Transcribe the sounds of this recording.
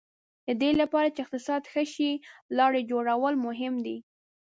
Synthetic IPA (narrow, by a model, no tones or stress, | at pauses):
d̪əd̪elapɑɾat͡ʃeɪqt̪ɪsɑd̪xəʃilɑɽed͡ʒoɽawəlmʊɦɪmd̪i